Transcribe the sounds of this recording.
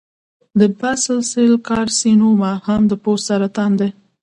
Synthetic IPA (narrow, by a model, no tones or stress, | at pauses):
d̪əbasəlselkɑɾsinumahamd̪əpossaɾat̪ɑnd̪e